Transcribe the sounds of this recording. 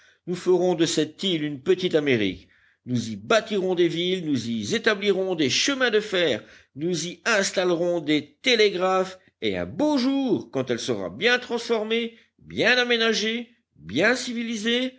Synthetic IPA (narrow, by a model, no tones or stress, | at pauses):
nufəʁɔ̃d̪əsɛt̪ilynpət̪it̪ameʁḭk | nuzibat̪iʁɔ̃d̪evilnuzizet̪abliʁɔ̃d̪eʃəmɛ̃d̪əfɛːʁ | nuziɛ̃st̪alʁɔ̃d̪et̪eleɡʁaf | eɛ̰̃boʒuːʁkɑ̃t̪ɛlsəʁa̰bjɛ̃t̪χɑ̃sfɔʁme | bjɛ̃namenaʒe | bjɛ̃sivilize